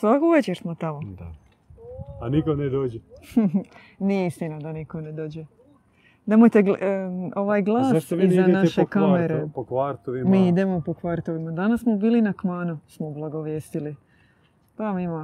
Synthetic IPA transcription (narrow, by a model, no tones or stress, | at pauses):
sʋakuʋet͡ɕeɾsmot̪amod̪a | anikoned̪oːd͡ʒe | niist̪inad̪anikoned̪o̞ːd͡ʑe | nemojt̪eɡo̞ʋaːjɡlˠaːssʋizannaʃekame̞ɾepokʋaɾt̪oʋimmiːid̪e̞mopo̞kʋaɾt̪oʋimad̪anassmo̞biːlinakmaːnusmoblˠaɡo̞ʋjeːst̪ili | t̪aːmima